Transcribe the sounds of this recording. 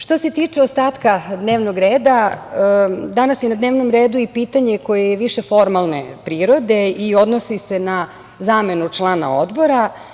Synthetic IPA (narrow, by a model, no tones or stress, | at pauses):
ʂt̪o̞se̞t̪iːt͡ʂeost̪aːt̪kad̪neːʋnoɡɾeːd̪a | d̪anasjenad̪ne̞ːʋnomɾeːd̪uipiːt̪aɲe̞ko̞jejeʋiʃe̞fo̞ɾmalˠne̞̰pɾiːɾo̞d̪e̞io̞d̪nosisena | zaːme̞nut͡ʂlˠaːna̰o̰d̪bo̞ɾa